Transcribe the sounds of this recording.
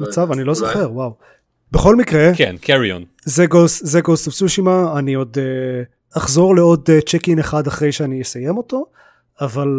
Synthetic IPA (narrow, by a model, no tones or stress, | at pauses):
mat͡savanilo̞zoχe̞ʁwaw | beχo̞lmikʁekḛnkʰeɹio̰n | zeɡoszeɡost̪afsuʃimaanio̞d̪e | aχzo̞ʁleo̞d̪t͡ʃekineχad̪aχʁe̞jʃeanijesaje̞mo̞to̞ | aval